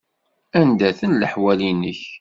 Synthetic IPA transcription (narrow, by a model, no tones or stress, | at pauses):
ænd̪æθənləħwælinːə̰ç